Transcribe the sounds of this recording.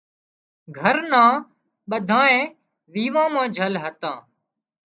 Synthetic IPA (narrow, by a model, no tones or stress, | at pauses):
ɡʱəɾnãː | ɓəd̪ʱãːẽː | ʋiːʋãːmãːd͡ʒʱəlɦət̪ãː